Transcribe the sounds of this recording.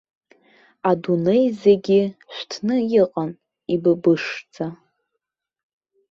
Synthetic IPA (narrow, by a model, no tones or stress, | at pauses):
adune̞jzeɡʲɪħʷtʰnɨjɪqʼan | ibɨbɨʂd͡zʰa